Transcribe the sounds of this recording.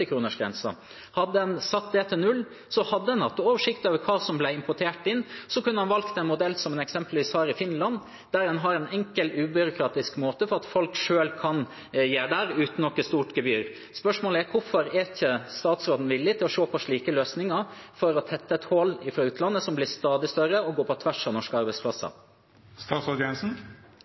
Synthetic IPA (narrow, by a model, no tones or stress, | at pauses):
ɪkʰɾuːnəʂɡɾɛ̰nsɑ̰ | hɑd̪ːəɛnsɑt̪ːd̪eːt̪ʰɪlnʉlː | sɔhɑd̪ːəɛnɑt̪ːoːʋəʂɪkt̪øːʋəɾkʰɑːsɔmblæɪɪmpɔʈʰeːʈɪnsɔkʉnːəɑnʋɑlkt̪ɛnmʊd̪ɛlːsɔmɛnɛksɛmpəlʋiːshɑːɾɪfɪnlɑn | d̪æɾɛnɦɑɾæɪnɛŋkəlʉːbʏɾʊkʰɾɑːt̪ɪskmoːt̪əfɔɾɑt̪fɔlkʂøːlkʰɑn | jeːɖæːɾʉːt̪n̩ɔkːəst̪uːʈɡɛbyːɾ | spœʂmoːləæɾkʰʊfɔɾɛɾçəst̪ɑːt̪sɾoːd̪n̩ʋɪlːɪt̪ʰɪlɔʂoːpʰɔʂɭiːkəløːsnɪŋɑfɔɾɔt̪ʰɛt̪ːəɛt̪hoːlɪfɾɑʉːt̪ʰlɑnːəsɔmblɪst̪ɑːd̪ɪst̪œɾəɔɡoːpʰɔt̪ʰʋæʂɑnɔʂkəɑɾbɛɪspʰlɑsə̰ | st̪ɑːt̪sɔd̪ɛnsn̩